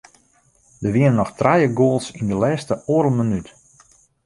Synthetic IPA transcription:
dəʋɪənənɔxtrajəɡoːlˠsindəlɛːstəoːɾəl̩ˠmənyt

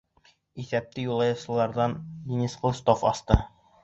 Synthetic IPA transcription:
iθæp̚t̪ɘjulˠɑjɤ̆sɤ̆lˠɑɾd̪ɑndʲinʲisqŏlˠst̪ofɒst̪ɤ

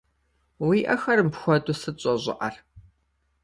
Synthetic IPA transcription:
wiːʔɐxɐrmpxʷɔdʊsɨɕʼɔʑɪ̰ʔɐr

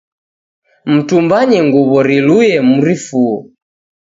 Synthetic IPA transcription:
m̩tumbaɲɛŋɡuβɔɾilujɛmuɾifuɔ

